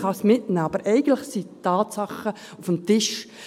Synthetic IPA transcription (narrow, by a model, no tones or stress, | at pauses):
χɑsmɪtnæːɑbəɾʔɛɪɡən̩tlɪχsitːɑːtsɑχə | ufəmtɪʃ